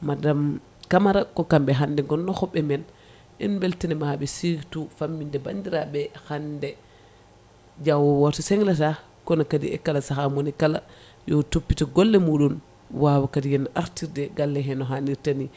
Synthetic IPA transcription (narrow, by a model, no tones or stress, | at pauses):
madam | kamaɾakɔkambɛɦandɛŋɡɔnːɔhɔɓːɛmɛn | ʔɛ̰nbɛltɛnɛmaɓɛsiɡtufamːindɛbandiɾaɓɛhandɛ | d͡ʒawɔwatɔsɛŋlata | kɔnakadḭɛ̰kalasahamonikala | jɔtopːitɔɡɔlːɛmuːɗun | wawakadijɛnʔaɾtiɾdɛɡalːɛɦɛnɔɦaniɾtani